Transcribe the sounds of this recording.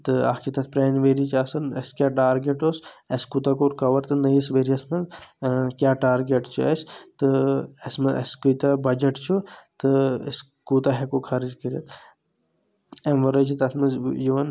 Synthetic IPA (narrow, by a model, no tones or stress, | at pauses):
t̪ɨa̰kit̪ɐt̪̚ʰpɾeːnʋeɾit͡ʃaːsɐnɐ̰skʲjaːʈaːɾɡeʈoseskut̪ɐkoɾkɐʋɐɾt̪ɨnɐjisʋeɾiɐsmɐnzkʲjaːʈaːɾɡeʈt͡ʃʰuɛst̪ɨesmɐɐ̰skɨt̪ɐbɐd͡ʒɐʈt͡ʃʰut̪ɨḛs | kut̪aɦɛkokʰɐɾid͡ʒkəɾiɐt̪ʰ | emʋɐɾɐt͡ʃʰit̪ɐt̪ʰmɐzjiʋɐn